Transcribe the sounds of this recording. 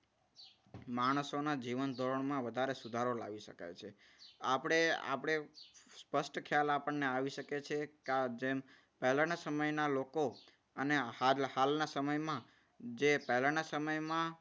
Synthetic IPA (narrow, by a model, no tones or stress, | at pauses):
maɽ̃əsonad͡ʒiʋənd̪ʱoɾəɳ̃mãʋəd̪ʱaɾesud̪ʱaɾola̰ʋiʃə̰ka̰jt͡ʃʰe | apɽ̃ea̰pəɽ̃espəʃʈkʰjalapəɳneaʋiʃəket͡ʃʰekd͡ʒem | pəɦlañasəməjnaloko | ənehalhalnasəməjmã | d͡ʒepəɦlañasəməjmã